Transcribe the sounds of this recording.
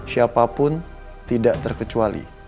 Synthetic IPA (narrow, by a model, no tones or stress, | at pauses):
siapapʊn | t̪idaʔt̪ərkət͡ʃualḭ